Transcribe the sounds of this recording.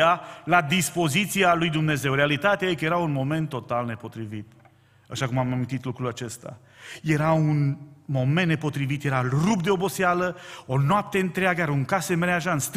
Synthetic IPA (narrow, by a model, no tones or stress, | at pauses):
alad̪ispo̞zit̪sialujd̪umne̞ze̞wɾealit̪at̪eajikje̞ɾaunmo̞me̞nt̪ːo̞t̪alne̞po̞t̪ɾivit̪ | aʃakumamamʲĩnt̪it̪lukɾulat͡ʃe̞st̪a̰ | je̞ɾaunmo̞mennepo̞t̪ɾivit̪je̞ɾarupd̪e̞o̞bo̞sialəo̞noap̚t̪e̞ɨnt̪ɾeaɡəaɾuŋkase̞meɾeaʒaɨnst̪